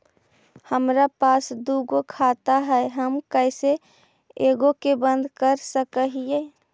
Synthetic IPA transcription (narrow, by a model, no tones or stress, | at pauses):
həmɾapaːsd̪uɡokʰat̪aɦɛeɦəmkəɪse | eɡokebənd̪ʱkəɾsəkəɦije